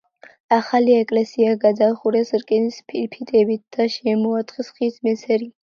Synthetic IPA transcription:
aχaliɛkʼlɛsiaɡad̪aχuɾɛsɾkʼɛnispʰiɾpʰit̪ʼɛbit̪̚ʰd̪̥aʃɛmɔat̪ʼχʼisχismɛsɛɾi

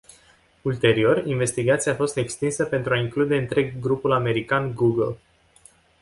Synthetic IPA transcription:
ult̪e̞ɾio̞rinve̞st̪iɡat̪siaːfo̞st̪e̞kst̪insəpe̞nt̪ɾuaiŋklud̪e̞ɨnt̪ɾe̞ɡːɾupulame̞ɾikanɡuɡəl

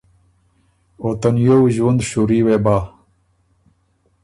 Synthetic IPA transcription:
oːt̪ɐnjoːwiʑuwɐnd̪ɕuːɾiːweːbaː

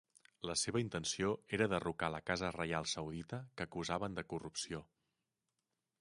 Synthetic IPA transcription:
ləseβəint̪ənsioeɾəðərukaləkazərəjalˠsəwðit̪əkəkuzaβənd̪əkurupsio

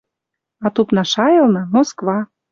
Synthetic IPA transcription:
ɑt̪upnɑʃɑjɤlˠnɤmoskβɑ

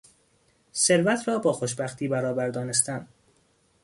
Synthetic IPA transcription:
se̞ɾvæt̪ʰɾɒːbɒːxoʃbæxt̪ʰiːbæɾɒːbæɾd̪ɒːnest̪æm

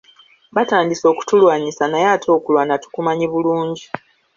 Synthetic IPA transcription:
bataːndiso̞ːku̥tulwaːɲisanajatʰo̞ːkulwanatu̥kumaɲiβuluːɲɟi

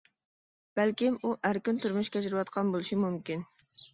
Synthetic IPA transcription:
b̥ælkʲimuʔæɾkʲynt̪ʰyɾmuʃkʲɛd͡ʒɾwɑt̪qʰɑnbolˠuʃimumkʲin

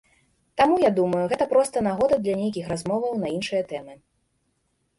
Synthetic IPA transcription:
t̪amujad̪umɐjuɣɛt̪ɐpɾɔst̪ɐnaɣɔd̪ɐd̪lʲɐnʲejkʲixrazmɔvɐwnɐinʂɨjɐt̪ɛmɨ

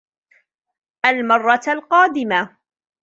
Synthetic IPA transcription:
ʔalmɑrˤːɑlqɑːd̪ɪma

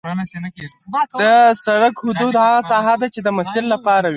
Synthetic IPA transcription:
d̪̥əsaɽakhʊd̪ud̪haɣasɑɦad̪at͡ʃed̪əmasɪlːapɑɾawi

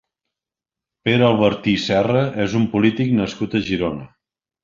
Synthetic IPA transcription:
peɾəlˠβəɾt̪isɛrəʔezumpulit̪iknəskut̪əʒiɾonə

